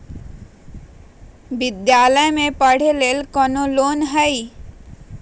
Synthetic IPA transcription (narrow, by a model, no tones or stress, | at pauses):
bid̪jaləjmẽpəɽ̤elelkɔnolonɦəj